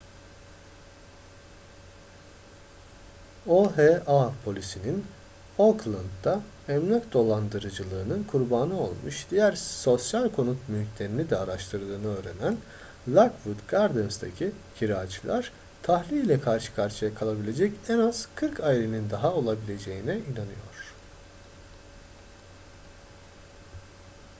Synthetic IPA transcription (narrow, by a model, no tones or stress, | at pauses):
oɦeapʰo̞lʲisinin | oklˠand̪̚d̪a | ɛmnʲakd̪o̞lˠand̪ɯɾɯd͡ʒɯlˠɯːnɯnkʰuɾbaːnɯo̞lˠmṵʃd̪ijæɾso̞sjalʲkʰo̞nut̪mylʲcʲlʲe̞ɾinid̪ɛaɾaʃt̪ʰɯɾd̪ˠɯːnɯø̞ːɾenæn | lʲˠakvud̪ɡaɾd̪ɯnsd̪ʰa̰cʰicʰiɾaːt͡ʃʰɯlˠaɾ̥ | t̪ʰahlʲiːlʲɛkʰaɾʃɯ̥kʰaɾʃijakʰalˠabilʲe̞d͡ʒɛcɛnaz̥kʰɯɾkʰaːelʲenind̪aɦao̞lˠabilʲe̞d͡ʒe̞jinɛinanɯjo̞ɾ̝̥